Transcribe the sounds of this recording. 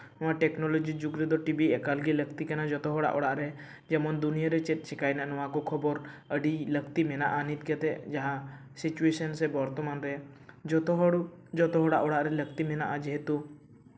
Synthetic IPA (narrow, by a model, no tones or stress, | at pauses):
ʊ̃waʈɛknɔlɔd͡ʒid͡ʒuɡɾɛd̪ɔʈibiɛkalɡiləkt̪ikanad͡ʒɔt̪ɔɦɔɽa̰ʔɔɽaʔɾɛ | d͡ʒɛmɔnd̪unijaɾɛt͡ʃɛt̪̚ˀt͡ʃʰɛkajnaʔnɔwakɔkʰɔbɔɾəɖiləkt̪imɛna̰ʔanit̪̚ˀkɛt̪ɛʔd͡ʒaɦã | sit͡ʃuesənsɛbɔɾt̪ɔmanɾɛ | d͡ʒɔt̪ɔɦɔɽ | d͡ʒɔt̪ɔɦɔɽaʔɔɽaʔɾɛlək̚t̪imɛna̰ʔad͡ʒɛɦɛt̪u